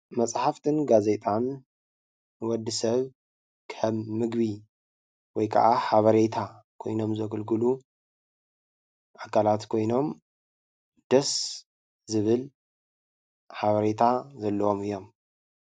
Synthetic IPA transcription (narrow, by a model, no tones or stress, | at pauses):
mɐsʼħaft̪ʰɨnɡaze̞t̪ʼanː | ɨwɔd̪ːɨsɐβ | kʰɐmːɨɡβi | wɔjkʰa̰ʔaħaβɐɾe̞t̪ʰa | kʰo̞̰jno̞mzɐɡɨlɡɨlu | ʔakʰːalat̪kʰo̞jno̞m | d̪̥ɐs | zɨβɨl | ħaβɐɾe̞t̪ʰazɐlːɐwo̞mɨjːo̞m